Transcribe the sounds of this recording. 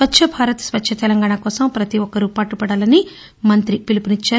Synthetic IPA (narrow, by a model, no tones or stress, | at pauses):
ʋɐtʂɐbʱaːɾɐt̪ɐsʋɐtːʂɐt̪ɛlɐŋɡaːɳaːkɔːsɐmpɾɐt̪iɔkɐɾupaːʈːupɐɽɐlɐni | mɐnt̪ɾipilipunit͡ʃːaː